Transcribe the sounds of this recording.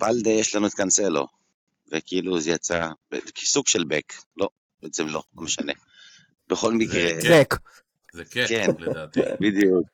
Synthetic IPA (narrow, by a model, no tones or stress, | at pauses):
b̥ald̪ejeʃlanuet̪kanselo̞̰ | vekiiluzejat͡sabeki̥suɡʃelbeklo̞ | beʔet͡semlo̞lomeʃane | b̥eχo̞lmikʁebek | kkenbid̪juk̚